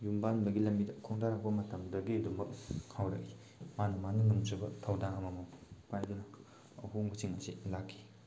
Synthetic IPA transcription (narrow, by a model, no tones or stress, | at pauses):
jumbanbɐɡilɐmbidɐkʰoŋdaɾak̚bɐmɐtɐmdɐɡiɐdumbɐkʰawɾɐ̰k̚i | manɐmanɯnuŋsɯbɐtʰawdaŋɐmɐmɐpajdunɐ | huŋbusiŋɐsilakʰːi̥